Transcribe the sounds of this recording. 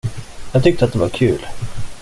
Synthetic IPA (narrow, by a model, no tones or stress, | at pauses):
jɑːɡt̪ʰʏk̚t̪əat̪̚d̪ɛvaɾkʰʉ̟̰ːl